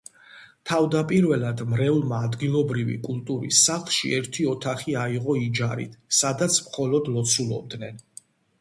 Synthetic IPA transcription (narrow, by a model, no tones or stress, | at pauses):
t̪ʰavd̪apʼiɾvɛlˠad̪mɾɛvlˠmaːd̪ɡilˠɔbɾivḭkʼulˠt̪ʼuɾḭsːaχlˠʃḭɛɾt̪ʰiɔt̪ʰaχiaiʁɔid͡ʒaɾḭt̪ʰsad̪at̪sʰmχɔlɔd̪lɔt̪sʰulˠɔ̰b̚d̪nɛn